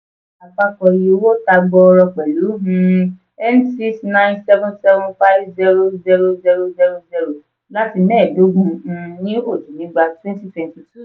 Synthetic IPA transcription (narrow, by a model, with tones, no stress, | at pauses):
a˨fa˧kɔ˧ɾi˧o˧wo˦ta˧ɡ͡bɔ˧ɾɔ˧k͡pɛ˨lu˨˦ɦũ˧ | ɛ˦nsi˦ksnã˦j̃nsɛ˦vɔ̃˦nsɛ˦vɔ̃˦fa˦vzɛ˦ɾo˦zɛ˦ɾo˧˦zɛ˧ɾo˦zɛ˦ɾo˧zɛ˧˦ɾo˨ | la˦ti˧nɛ̃ː˦˨do˨˦ɡũ˧nĩ˦o˦˨d͡ʒu˨nĩ˨˦ɡ͡ba˧twɛ̃˦nti˦tɛ˨nti˧tu˦˨